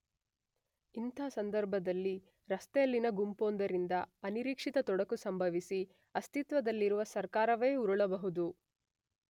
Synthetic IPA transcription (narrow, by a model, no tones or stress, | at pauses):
int̪aːsɐnd̪ɐɾbʱɐd̪ɐlːi | ɾɐst̪ɛjɐlːinɐɡumpoːnd̪ɐɾind̪ɐɐniɾiːkʂit̪ɐt̪ɔɽɐkusɐmbʱɐʋisi | ɐst̪it̪ʋɐd̪ɐlːiɾuʋɐsɐɾkaːɾɐʋeːuɾuɭɐbɐɦud̪u